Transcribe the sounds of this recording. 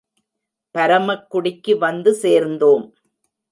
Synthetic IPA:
pɐɾɐmɐkːʊɽɪkːɯʋɐnd̪ɯseːɾnd̪oːm

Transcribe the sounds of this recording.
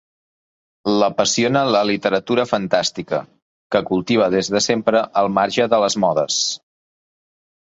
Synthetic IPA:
ləpəsionələlit̪əɾət̪uɾəfənt̪ast̪ikə̰ | kəkulˠt̪iβ̞əðezðəsempɾəʔəlˠmaɾʒəðələzmɔðəs

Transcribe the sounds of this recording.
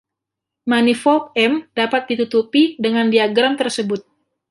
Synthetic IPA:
manifɔɛmd̥apat̪̚dit̪ut̪upidəŋandiaɡɾamt̪ərsəbʊt̪̚

